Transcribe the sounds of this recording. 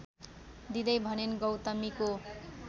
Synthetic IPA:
d̪id̪ʌjbʱʌnenɡʌwt̪ʌmiko

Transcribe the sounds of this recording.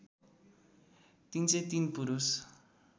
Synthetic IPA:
t̪int͡set̪inpuɾus

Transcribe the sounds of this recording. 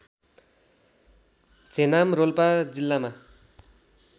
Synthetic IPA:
t͡senamrolpad͡zilːama

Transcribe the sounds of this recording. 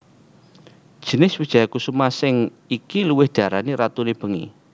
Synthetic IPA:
d̥ʒ̥ə̤nɪswid̥ʒ̥ajakusumasɪŋ | ikiluwɪhd̪̥aɾaniɾat̪uneb̥ə̤ŋḭ

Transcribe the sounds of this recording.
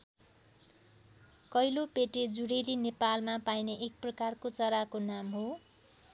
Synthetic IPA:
kʌjlopeʈed͡zuɽelinepalmapajneʔːk̚prʌkarkot͡sʌɾakonamɦo

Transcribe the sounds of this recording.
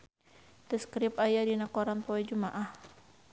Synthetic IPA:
t̪əskɾɪpajadinakoɾanpɔɛd͡ʒumaʔah

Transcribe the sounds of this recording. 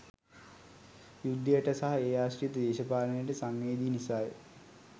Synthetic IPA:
jud̪ːɐjəʈəsɐɦɐeːaːɕrijɐt̪əd̪eːʃɐpaːlɐnejəʈəsaŋʋeːd̪iːnisaːjḛ

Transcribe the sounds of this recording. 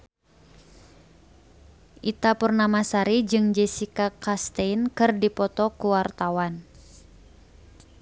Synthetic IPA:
ʔit̪apurnamasaɾid͡ʒɨŋd͡ʒɛsikakast̪einkɨrdipɔt̪ɔkuwart̪awan

